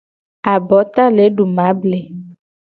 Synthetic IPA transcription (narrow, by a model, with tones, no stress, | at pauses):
a˨bɔ˨˦t̪a˦le˨˦ɖu˨mã˨˦ble˨